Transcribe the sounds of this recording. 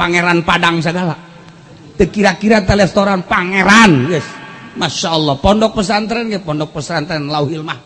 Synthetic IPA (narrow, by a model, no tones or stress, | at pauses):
paŋeɾanpadaŋs̬əɡala | t̪əkiɾakiɾat̪əlɛst̪oɾanpaŋeɾanjɛsmaʃaɔlːɔhpɔndɔk̚pəs̬ant̪əɾɛnɡɛpɔndɔk̚pəsəɾant̪əɾɛnlauhilma